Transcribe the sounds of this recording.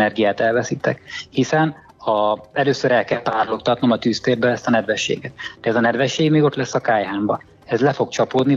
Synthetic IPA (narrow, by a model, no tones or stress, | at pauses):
nɛrɡijaːt̪ɛlvɛsiːt̪ɛkhisɛn | ɒɛløːsøɾɛlkɛlp̪aːrlok̚t̪ɒt̪no̞mɒt̪yːst̪eːrbøɛst̪ɒnɛd̪vɛʃːḛːɡɛt̪d̪̥ɛɛzɒnɛd̪vɛʃːeːɡmeːɡo̞t̪lɛsːɒkaːjɦaːmbɒ | ɛzlɛfo̞kt͡ʃɒpoːd̪ni